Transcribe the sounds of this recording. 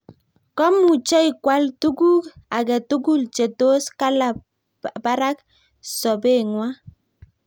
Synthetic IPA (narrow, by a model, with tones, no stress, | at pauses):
kɔ˦mu˨t͡ʃɔ˦i˨kwa˦ltu˦ɡu˦ka˨kɛ˨tu˦ɡu˦lt͡ʃe˨to˦ska˦la˨ | ba˦ɾa˦k | sɔ˨be˦˨ŋwa˦